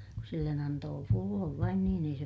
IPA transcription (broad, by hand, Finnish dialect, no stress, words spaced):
kus silːen ɑntoː pulːoʋ ʋɑin niːn ei se